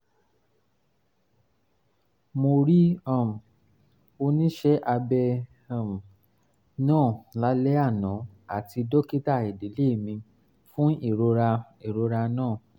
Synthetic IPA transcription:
mo˧ɾi˦a˦˨m˨ | o˧nĩ˦ʃɛ˦ʔa˧bɛ˧˨ | m˨ | nãː˦˨la˨˦lɛ˦a˦˨nã˨˦a˦˨ti˧dɔ˦ki˦ta˦˨e˨de˨˦le˦˨mĩ˧ | fũ˦i˦˨ɾo˧ɾa˧ | e˨ɾo˧ɾa˧nãː˦˨

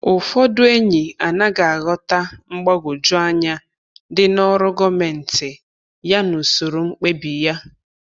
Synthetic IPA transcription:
ʊ˨fɔ˦dʊ˦e˦ɲi˨a˨na˦ɡa˨a˨ɣɔ˦ta˦ŋ͡m̩˦ɡ͡bɔ˦ɡʊ˨d͡ʒʊ˦a˦ɲa˦ | dɪ˦nɔ˦ɾʊ˦ɡɔ˦me˨n̩˨tɪ˨ | ja˦nʊ˨so˨ɾo˨ŋ͡m̩˦k͡pe˦bi˨ja˦

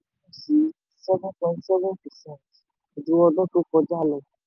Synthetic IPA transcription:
ũ˦si˨˦ | sɛ˦vũ˦kɛ̃˧˨n˦sɛ˦vũ˦pɛ˨sɛ̃˦˨t | o˨d͡ʒũ˨˦wɔ˧dɔ̃˦to˦kɔ˧d͡ʒa˦˨lɛ˨

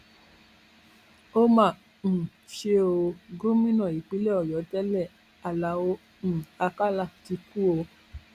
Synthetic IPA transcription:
o˦mã˦˨ | ñ̩˨ | ʃe˧˦o˧ɡo˦mĩ˦nã˦˨i˨k͡pi˨˦lɛ˦ɔ˨jɔ˨˦tɛ˦lɛ˦˨ | a˨la˨o˧˦ | ñ̩˨a˧ka˦la˦˨ti˧ku˦o˧

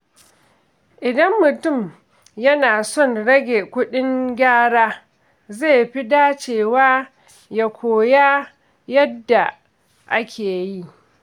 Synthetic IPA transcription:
ʔɪ˨dɐ˦mːʊ˨tʊ˦˨m | jɐ˦naː˨sɔ˦˨nɽɐ˦ɡʲe˨kʷʊ˦ɗɪ˦ŋɡʲaː˦ɽaː˦ | zeː˦˨ɸi˦daː˦t͡ʃeː˨waː˦ | ja˨kʷʰoː˨jaː˦ | jɐ˦dːa˨ | ʔa˦kʲʰeː˨ji˦

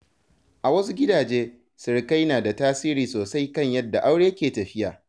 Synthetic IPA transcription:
ʔa˨wɐ˦su˦ɡʲɪ˦daː˨d͡ʒeː˦ | sɪ˨ɽka˦jnaː˨da˨taː˦siː˦ɾiː˨soː˨sa˦jkɐ˦˨ɲjɐ˦dːa˨ʔa˦wɽeː˦jkʲeː˨tɐ˨ɸɪ˦jaː˨

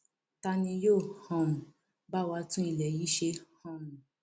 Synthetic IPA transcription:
ta˧nĩ˧joː˦˨hɔ̃˧mũ˨ | ba˦˨wa˧tũ˦i˧lɛ˨ji˨˦ʃe˧hɔ̃˦mũ˨

